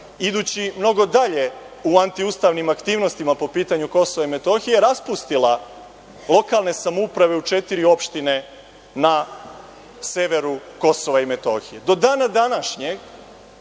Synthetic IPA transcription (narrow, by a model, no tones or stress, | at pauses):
id̪uːt͡ɕimno̞ɡo̞d̪aʎe̞ | uant̪iust̪aːʋnimakt̪iːʋno̞st̪imapo̞piːt̪aɲuko̞so̞ʋaime̞t̪o̞xijeɾaspust̪ilˠa | lˠo̞kalˠne̞samoupɾaʋe̞ut͡ʃet̪iɾio̞pʃt̪ine̞ | na | seʋe̞ɾuko̞so̞ʋaime̞t̪o̞̰ːxije̞d̪o̞d̪aːnad̪anaʃɲeɡ